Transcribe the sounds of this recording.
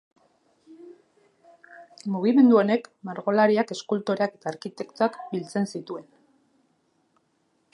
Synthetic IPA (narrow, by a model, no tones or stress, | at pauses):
muɣ̞ime̞nd̪uo̞ne̞kmaɾɣo̞laɾiake̞skult̪oɾeake̞t̪aːɾkit̪e̞kt̪oakbilt͡se̞nsit̪ue̞n